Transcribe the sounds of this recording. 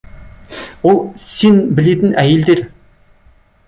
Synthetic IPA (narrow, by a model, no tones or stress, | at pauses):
ʊlsenbĭɮet̪ɘ̆nʔæjɪ̆lt̪eːr